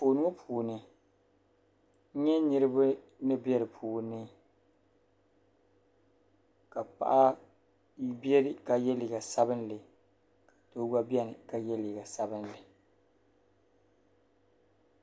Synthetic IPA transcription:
foː˨nʊ˦o˦pʰuː˨nɨ˨˦ | ɲɛ˦nɨ˦ɾɨ˦bɨ˦ | nɨ˦bɛ˦ɾɨ˨pʰuː˨nɨ˦ | ka˨pa̰˨ʔa˦ | bjɛ˦ɾɪ˨ka˦jɛ˦li˨ɡa˨sa˦bɨ˦nlɨ˨ | kḁ˨toː˦ɡa˦bjɛ˦nɨ˨ka˦jɛ˦li˨ɡa˨sa˦bɨ˦nlɨ˨

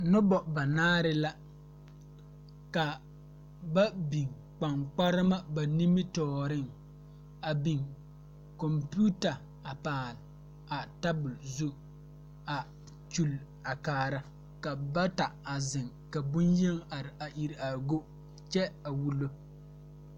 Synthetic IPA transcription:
nʊ˦bɔ˨ba˨naː˦ɾɪ˦la˦ | ka˨ | ba˦bi˨ŋ | k͡pa˨ŋk͡pa˦ɾɪ˦ma˦ba˨ni˦mɪ˦tɔː˨ɾɪ˦˨ŋ | a˨bi˨ŋ | kɔ˨mpu˦ta˨ | a˨paː˨l | a˨ta˦bʊ˨lzu˦ | a˨ | t͡ʃu˨l | a˨kaː˨ɾa˦ | ka˨ba˦ta˨a˨zɪ˨ŋ | ka˨bʊ˦nje˦ŋa˨ɾɪ˨a˨ʔi˨ɾa˨ɡo˦ | t͡ʃɛ˦a˨wu˦lo˦

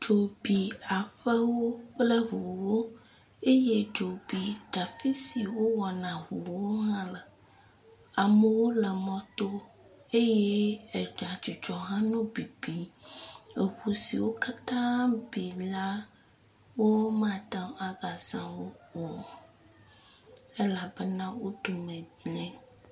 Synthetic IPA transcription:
d͡ʒo˨bi˨a˨ɸə˦wo˦plə˦ɦu˨wo˦ | e˦je˦d͡ʒo˨bi˨d̪̥a˨fi˦si˨wo˦wɔ˨nã˨ɦu˨wo˦ɦã˦lə˨ | a˨mə˨wo˦lə˨mɔ̃˨t̪o˦ | e˦jɛ˦e˨ɖa˨d͡ʒu˨d͡ʒɔ˨ɦã˦nũ˦bi˨bi˨ | e˨xu˨si˨wo˦ka˦t̪ã˦bi˨la˦ | wo˦m˦ã˦˨t̪ã˦a˨ɡa˨zã˨wo˦ɔ˨ | e˦la˨bɛ˦nã˦wo˦ɖ̪o˨mẽ˨dɲɛ̃˦

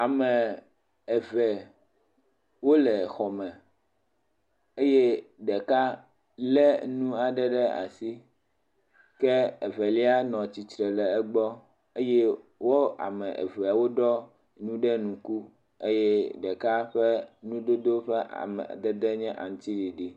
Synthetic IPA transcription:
a˨mɛ̃˨ | ɛ˨vɛ˨ | wo˦lɛ˨xɔ˨mɛ̃˨ | e˦jɛ˦ɖɛ˨ka˦ | lɛ˦nũ˦a˨ɖɛ˦ɖɛ˦a̰˨si˦ | kɛ˦ɛ˨vɛ˨li˦a˦nɔ̃˨t͡ɕi˨t̪ɾɛ˨lɛ˨ɛ˦ɡ͡bɔ˦ | e˦jɛ˦wo˦a̰˨mɛ̰̃˨ʔɛ̰˨vɛ˨a˨wo˦ɖɔ˦ | nũ˦ɖɛ˦nũ˨ku˦ | e˦jɛ˦ɖɛ˨ka˦ɸɛ˦nũ˦d̪o˦d̪o˦ɸɛ˦ʔa̰˨mɛ̰˨d̪ɛ˦d̪ɛ˦ɲɛ̃˦ʔa̰˨ŋ̃˨˦t̪i˦ɖi˨ɖi˦

